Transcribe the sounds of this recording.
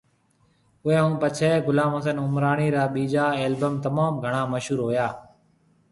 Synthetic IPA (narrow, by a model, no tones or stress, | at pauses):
ʊẽːɦũːpət͡ʃʰeːɡʊlaːmɦoːsənʊmɾaːɳiːɾaːɓiːd͡ʒaːeːlbəmt̪əmaːmɡʱəɳ̃ãːməʃɦuːɾɦoːjaː